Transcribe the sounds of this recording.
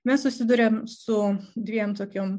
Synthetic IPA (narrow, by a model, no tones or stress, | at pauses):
mʲɛssʊsʲɪd̪ʊɾʲemsʊd̪ʲʋʲiɛmt̪oːkʲom